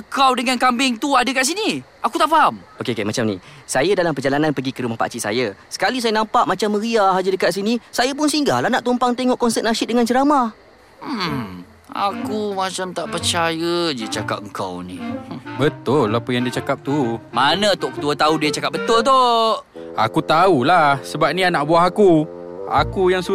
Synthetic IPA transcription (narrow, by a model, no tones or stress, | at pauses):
əŋkawdəŋankambɪŋt̪uadəkaʔs̬ini | akut̪aʔfaɦamokekemat͡ʃamnḭsajadalampərd͡ʒalananpəɡikəɾumahpa̰ʔt͡ʃiʔsa̰jasə̥kalis̬ajanampaʔmat͡ʃamːəɾiaɦad͡ʒadəkaʔs̬inisajap̬ʊnsiŋɡa̰lahnaʔt̪ompaŋt̪eŋɔʔkɔnsɛt̪̚naʃɪt̪̚dəŋant͡ʃəɾama | a̰kumat͡ʃamt̪aʔpərt͡ʃajəd͡ʒit͡ʃaka̰p̚əŋka̰wnibət̪ʊlːapəjaŋdit͡ʃakap̚t̪umanãut̪ʊʔkə̥t̪uat̪audiat͡ʃakap̚bət̪ʊlt̪̬o | a̰kut̪aulahsəbap̚nĩanaʔbuaɦaku | a̰kujaŋsu